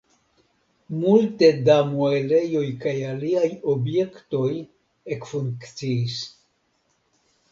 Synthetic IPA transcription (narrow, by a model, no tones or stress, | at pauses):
multe̞damuele̞jo̞jkajaliajobje̞kto̞j | ekfuŋkt͡siis